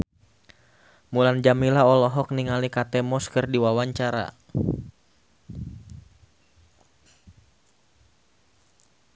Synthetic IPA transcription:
muland͡ʒamilaɔlɔɦɔk̚niŋalikat̪ɛmɔskɨrdiwawaɲt͡ʃaɾa̰

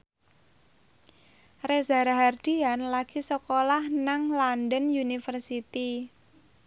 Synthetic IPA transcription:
rezaɾaɦard̪̥ianlaɡ̥isəkolahnaŋlandənjunifərsit̪i

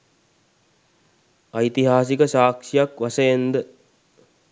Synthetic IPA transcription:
ɐjt̪iɦaːs̬ikəsaːkʂijakʋasəjend̪ə

